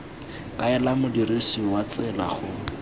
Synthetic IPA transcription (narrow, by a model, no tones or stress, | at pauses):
kʼaɛlamʊdirisiwat͡sɛla̰χʊ